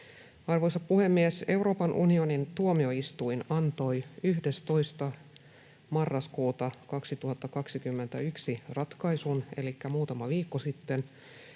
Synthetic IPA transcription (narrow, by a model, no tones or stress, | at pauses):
ɑrʋo̞jsɑppuhe̞mːiese̞wro̞ːpɑnʔṵnio̞nint̪uomio̞ist̪uinɑnt̪o̞jyɦde̞st̪o̞jst̪ɑ | mɑrːɑskuːt̪ɑkɑksit̪uɦɑt̪ːɑkɑksikymːe̞nt̪æyksirɑt̪kɑjsune̞likːæmuːt̪ɑmɑʋiːkːosit̪ːen